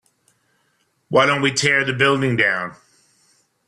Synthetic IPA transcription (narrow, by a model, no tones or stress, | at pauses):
waɪɾõʊ̃ntwitʰɛɹðɨbɪlˠdɪ̃ŋdãʊ̃n